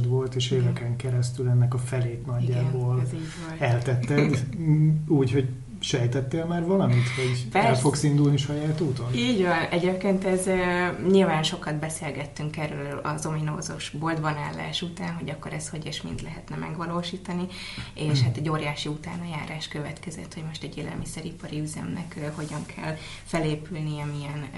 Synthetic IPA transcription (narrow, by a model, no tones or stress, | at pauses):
d̪ʋo̞lt̪eːʃeːvɛkɛŋkɛɾɛst̪ylɛnːɛkɒfɛleːt̪nɒɟːaːboːliːɟʋnɛlt̪ɛt̪ːɛd̪ | uːcho̞ɟ | ʃɛjt̪ɛt̪ːeːlmaːrvɒlɒmit̪ho̞ɟɛlfo̞ksind̪ulniʃɒjaːt̪uːt̪o̞niːɟvɒnɛɟeːp̚keːnt̪ɛzøɲilvaːnʃo̞kɒd̪bɛseːlɡɛt̪ːyŋkɛrøːlɒ̰zo̞minoːzo̰ʃbold̪bɒna̰ːlːa̰ːʃut̪aːnɦo̞ɟɒkːo̞ɾɛsho̞ɟeːʃmḭnd̪lɛɦɛt̪nɛmʔɛ̰ɡʋɒloːʃiːt̪ɒnieːʃhat̪ɛɟːoːɾjaːʃiut̪aːnɒjaːɾaːʃkøvɛt̪kɛzɛ̰t̪ho̞ɟmo̞ʃt̪ɛɟeːlʔɛ̰lmisɛɾipɒɾiyzɛ̰mnɛ̰kho̞ɟɒŋkʰɛ̰l | fɛleːpylniɛmijɛn